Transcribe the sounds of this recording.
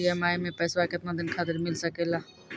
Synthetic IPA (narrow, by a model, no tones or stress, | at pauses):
iɛmaːimẽpɛːswakɪt̪nad̪ɪnkʰaːt̪ɪɾmɪlsɐkeːlaː